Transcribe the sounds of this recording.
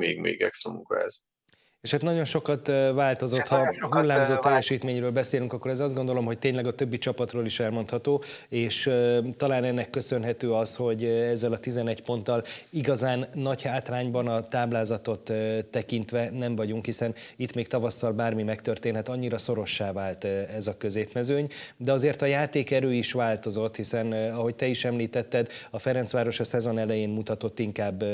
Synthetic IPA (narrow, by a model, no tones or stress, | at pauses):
ḛːɡmḛːɡɛ̰ksamukɒ̰ɛ̰z̥ | eːʃhat̪nɒɟo̞nʃo̞kɒt̪vaːlt̪o̞zo̞t̪hɒɦulːaːmzoːt̪ːɛjːɛʃiːt̪meːɲrøːlbɛseːlyŋkɒkːo̞ɾɛzɒzd̪ɡo̞nd̪olo̞mɦo̞c̚t̪eːɲlɛɡɒt̪ø̞bːit͡ʃɒpɒt̪roːliʃɛlmo̞nt̪hɒt̪oːeːʃt̪ɒlaːnɛnːɛkːø̞sø̞nɦɛt̪øːɒsho̞ɟɛzːɛlɒt̪izɛnɛɟpo̞nt̪ːɒliɡɒzaːnːɒɟhaːt̪raːɲbɒnɒt̪aːblaːzɒt̪o̞t̪t̪ːɛkint̪ʋɛnɛɱvɒɟuŋkhisɛnit̪meːk̚t̪ɒvɒsːɒlbaːrmimɛkt̪ørt̪eːnɦɛt̪ɒɲːiɾɒso̞ɾo̞ʃːaːvaːlt̪ɛzɒkø̞zeːpmɛzøːɲd̪ɛɒzeːrt̪ɒjaːt̪eːkɛɾøːiʃvaːlt̪o̞zo̞t̪ːhisɛnɒɦo̞c̚t̪ɛiʃɛmliːt̪ɛt̪ːɛd̪ɒfɛɾɛnsʋaːɾo̞ʃɒsɛzo̞nɛlɛjeːnmut̪ɒt̪o̞t̪ːiŋkaːbː